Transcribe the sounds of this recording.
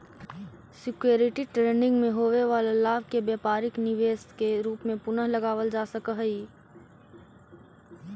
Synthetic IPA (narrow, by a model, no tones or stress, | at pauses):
sɪkjoːɾɪʈiʈɾeːɳɖɪ̃ŋɡmẽɦoːʋeʋaːlelaːbkebjeːpaːɾɪknɪʋeːskeɾuːpmẽpʊnəɦlɐɡaːʋəld͡ʒaːsəkəɦi